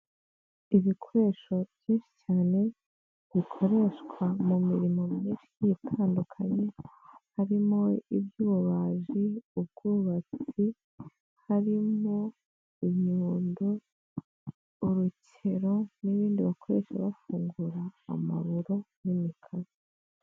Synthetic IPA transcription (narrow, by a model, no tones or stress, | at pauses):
iβikʰoɾe̞ʃo̞v̥jiːnʃi̥t͡ʃaːne̞ | βikʰo̞ɾe̞ʃkwamumiɾimo̞mminʃijitʰaːndukʰaɲe̞haɾimo̞iβjuβaʒiub̚ɡuːβat͡si | haɾimo̞ | iɲuːndo | uɾucʰ | e̞ɾo̞niβiːndiβakʰo̞ɾe̞ʃa̰βafuːŋɡuɾa̰ːma̰βuɾo̞nimikʰazi